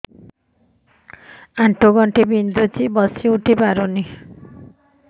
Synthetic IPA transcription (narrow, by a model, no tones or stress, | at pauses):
aɳʈʰoɡɔɳʈibind̪ut͡ʃibɔsiuʈʰipaɾuni